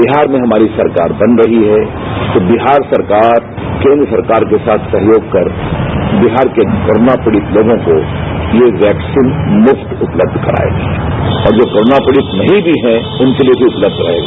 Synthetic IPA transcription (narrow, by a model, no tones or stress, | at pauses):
bɪɦaːɾmẽɦɐmaːɾisɐɾka̰ːɾbɐnɾɐɦiɦɛ | t̪obɪɦaːɾsɐɾkaːɾ | kẽːnd̪ɾəsɐɾkaːɾkesaːt̪ʰsɐɦjoːɡkɐɾbiɦaːɾkekoːɾoːnapɪɽɪt̪loːɡõkojeʋɛːksiːnmʊft̪ʊpləb̚d̪ʱkɐɾa̰ːḛɡaːɔːɾd͡ʒoːkoːɾoːnapɪɽɪt̪nɐɦĩbʱiɦɛ̃ | ʊnkeliebʱiʊpləb̚d̪ʱɾɐ̰ɦḛːɡaː